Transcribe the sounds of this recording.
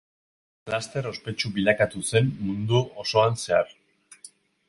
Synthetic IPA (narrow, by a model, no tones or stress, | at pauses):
plast̪eɾo̞spe̞t͡ʃubiʎakat̪use̞mmund̪uoso̞anse̞ar